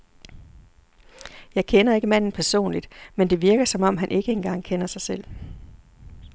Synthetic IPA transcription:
jɑ̈ɪkʰenɐe̝ɡ̥əmæn̰n̩pʰæɐso̝̰ːnlid̥mend̥e̝ʋiɐɡ̥ɐsɒ̽mɒ̽m̰ɦænʔe̝ɡ̥əenɡ̥ɑ̈ŋ̰kʰenɐsɑ̈ɪsel̰

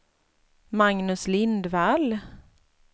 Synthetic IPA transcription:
maŋnɵslɪnd̪val

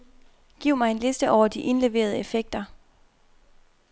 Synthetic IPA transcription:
ɡ̥iʊ̰mɑ̈ɪe̝nlesd̥əʔɒʊ̰ɐd̥iʔe̝nle̝ʋe̝̰ːɐð̞ˠəe̝feɡ̥̚d̥ɐ

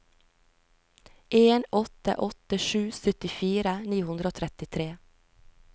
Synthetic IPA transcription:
ʔeːnɔt̪ə̰ʔɔt̪əʃʉːsœt̪ɪfiːɾəniːhʉnd̪ɾoːt̪ʰɾɛt̪ɪt̪ʰɾeː

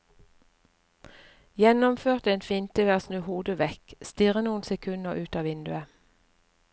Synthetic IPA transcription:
jɛnɔmføːʁt̪eːnfiːnt̪ʰɪʋæːʁsnʉːhuːd̪əʋɛkst̪ɪʁənuːn̩sɛkʰʉnəʔʉːt̪ɑːʋɪnd̪ʉə

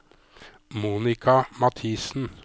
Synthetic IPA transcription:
muːnɪkʰɑmɑt̪ʰiːsn̩

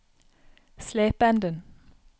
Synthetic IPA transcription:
sleːpænd̪ən

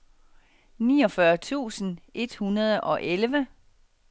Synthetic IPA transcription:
nḭːɒ̽fɶɐt͡sʰṵːsn̩ʔe̝d̥hunɐð̞ˠɒ̽ʔelʋə

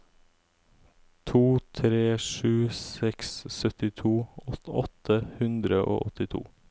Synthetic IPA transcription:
t̪ʰuːt̪ʰɾeːʂʉːsɛkssœt̪ɪt̪ʰuːɔɔt̪ʰəhʉnd̪ɾəʔo̰ːʔɔt̪ɪt̪ʰṵː

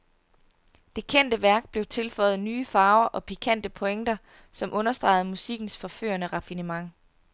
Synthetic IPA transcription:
d̥e̝kʰen̰d̥əʋæɐɡ̥̚b̥le̝ʊt͡sʰe̝lfɒ̽ɪð̞̩ˠnyːfɑ̈ːʊɐʔɒ̽pʰikʰæn̰d̥əpʰo̽eŋd̥ɐ | sɒ̽mʔɔ̽nɐsd̥ʁɑ̰̈ɪð̞̩ˠmusiɡ̥n̩sfɒ̽fø̰ːɐnəʁɑ̈finəmɑ̈ŋ̰

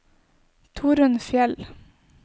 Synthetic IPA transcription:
t̪ʰuːɾənfjɛl

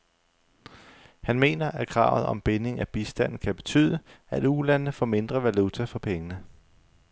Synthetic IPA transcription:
hænme̝̰ːnɐʔækʰʁɑ̈ʊð̞̩ˠɒ̽mb̥ene̝ŋæb̥isd̥æn̰n̩kʰæb̥e̝t͡sʰy̰ːð̰ˠəæd̥ulænəfɒ̰ːme̝nd̥ʁɐʋælut͡sʰæfɒ̽pʰeŋənə

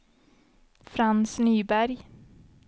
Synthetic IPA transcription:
fɾansnyːbæɾj

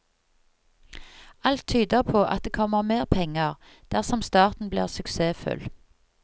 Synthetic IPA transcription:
ɑlt̪ʰyːd̪əʁpʰoːʔɑ̰t̪̚d̪eːkʰɔməʁmeːʁpʰɛŋəʁ | d̪̥æʁsɔmst̪ɑːʁt̪n̩blḭːʁsʉkseːfʉ̰l

